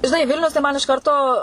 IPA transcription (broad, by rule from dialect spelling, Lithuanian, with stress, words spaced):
ʒʲɪˈnɐɪ ˈʋʲɪlʲnʲʊs tɐɪ ˈmɐn ɪʃ ˈkɐrtoː